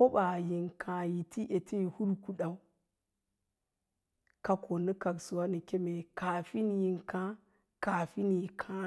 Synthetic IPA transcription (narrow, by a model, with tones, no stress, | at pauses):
ko˦ɓa˨ji˨ŋkʰã˨ji˨ti˦ʔe˨tʰi˦i˨hu˦lku˨ɗa˨u˦ | ka˦ko˨ni˦ka˨ksu˨wa˦ni˨kʲe˦me˨ka˨fi˦n˨ji˨ŋkã˦ | ka˨fi˦ni˨kʰã˦